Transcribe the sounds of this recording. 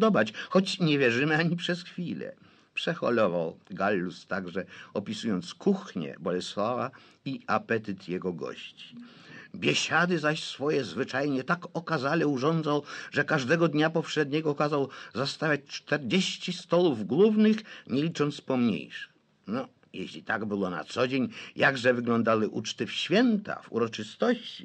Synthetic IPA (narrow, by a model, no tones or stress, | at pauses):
d̪ɔbat͡ɕxɔt͡ɕɲɛvʲjɛʐɘmɘaɲipʂɛsxfʲilɛ̰ | pʂɛxɔ̰lɔva̰wɡalːust̪aɡʐɛɔpʲisujɔnt̪skuxɲɛ̰bɔlɛswava | iapɛt̪ɘt̪jɛɡɔɡɔ̰ɕt͡ɕi̥ | bʲjɛɕad̪ɘzaɕsfɔjɛzvɘt͡ʂajɲɛt̪akɔkazalɛuʐɔnd̪zawʐɛkaʐd̪ɛɡɔd̪ɲapɔpʂɛd̪ɲɛɡɔkazawzast̪avʲjat͡ɕt͡ʂt̪ɛɾd͡ʑeɕt͡ɕist̪ɔluvɡlubnɘxɲelʲit͡ʂɔnt̪spɔmɲḛjʂɪ̥x | nɔ | jḛɕlʲit̪aɡbɘwɔna̰t̪sɔd͡ʑeɲjaɡʐɛvɘɡlɔnd̪awɘʔut͡ʂt̪ɘfɕfʲjɛnt̪a̰vṵɾɔt͡ʂɨst̪ɔɕt͡ɕi̥